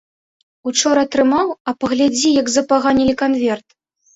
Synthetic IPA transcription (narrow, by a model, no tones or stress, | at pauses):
ut͡ʂɔɾɐt̪ɾɨmawɐpɐɣlʲad͡zʲijɐɡzɐpaɣanʲilʲikanvʲɛrt̪